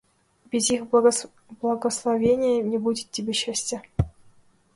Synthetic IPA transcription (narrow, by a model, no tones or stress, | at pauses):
bʲɪzix | blˠɐɡəslˠɐvʲenʲɪjənʲebudʲɪt̪tʲːɪbʲeɕːæsʲtʲɘ